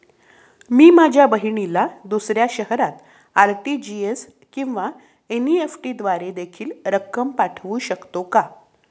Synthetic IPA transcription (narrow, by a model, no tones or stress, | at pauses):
miːmad͡ʑʱjabəɦiɳilad̪usɾjaɕəɦɾat̪ | aɾʈid͡ʑies | kĩw̃ʋa | eniefʈiːd̪ʋaɾed̪ekʰiːlɾəkːəmpaʈʰʋuːɕəkt̪oka